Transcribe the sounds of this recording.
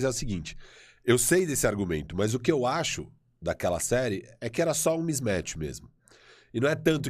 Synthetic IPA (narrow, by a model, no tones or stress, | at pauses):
zɛʊsɪɡĩnt͡ʃɪ̥ | ewsejd̪esɪaɾɡumḛ̃nt̪ʊmɐzʊkɪewaʃʊ | d̪akɛlɐ̰sɛɾɪɛkɪɛɾɐsɔũmizmɛt͡ʃɪ̥mḛzmʊ | ɪnɐ̃w̃ɛt̪ɐ̃nt̪̬ʊ